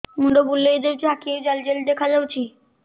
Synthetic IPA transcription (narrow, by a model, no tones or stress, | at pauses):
muɖobulːeed̪ewt͡ɕʰiakied͡ʑald͡ʑeld̪ekʰad͡ʑawt͡ɕʰi